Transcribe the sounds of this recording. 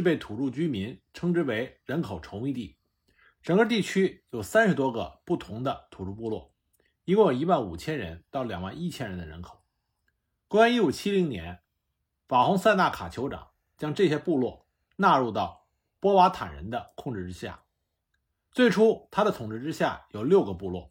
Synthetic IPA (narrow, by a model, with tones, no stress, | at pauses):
ɻ̩˥˧pe˥˩ɪt̪ʰu˨˩ɻu˥˩t͡ɕy˥mi˧˥nʈ͡ʂʰɤ˥ŋʈ͡ʂɻ̩˥we˧˥ɪɻə˧˥nkʰo˨˩ʊʈ͡ʂʰʊ˧˥ŋi˥˧t̪ḭ˥˩ | ʈ͡ʂɤ˨˩ŋɡə˥˧t̪̬i˥˩t͡ɕʰy˥jo˨˩ʊsa˥nʂɻ̩˧˥t̪̬wɔ˥ɡə̰˧pu˥˩t̪ʰʊ˧˥ŋd̪ə˧t̪ʰu˨˩ɻu˥˧˩pu˥˧lwɔ̰˥˩ | i˥ŋkwɔ˥˩i˧˥wa˥˩nṵ˨˩t͡ɕʰjɛ˥nɻə̰˧˥nt̪ɑ˥˩ʊljɑ˨˩ŋwa̰˥˧ni˥˩t͡ɕʰjɛ˥nɻə˧˥nd̪ə˧ɻə̰˧˥nkʰo̥˨˩˦ | kɔ˧˥a˥˧ni˥˩u˨˩t͡ɕʰi˥li˧˥ŋnjɛ̰˧˥n | fa˨˩xʊ˧˥ŋsa˥˧ɪna˥˩kʰa˨˩t͡ɕʰjo˧˥ʈ͡ʂɑ̰˨˩˦ŋ | t͡ɕjɑ˥ŋʈ͡ʂɤ˥˩ɕjɛ˥pu˥˧lwɔ̰˥˧˩ | na˥˧ɻu˥˧t̪ɑ˥˩ʊ | pwɔ˥wa˧˥t̪ʰa̰˨˩nɻə̰˧˥nd̪ə˧kʰʊ˥˧ŋʈ͡ʂɻ̩˥˩ʈ͡ʂɻ̩˥ɕja̰˥˩ | t͡swe˥˩ɪʈ͡ʂʰu˥t̪ʰa˥d̪ə˨t̪ʰʊ˨˩ŋʈ͡ʂɻ̩˥˧ʈ͡ʂɻ̩˥ɕja̰˥˩jo˨˩ʊljo˥˩ʊɡə˩pu˥˧lwɔ̰˥˩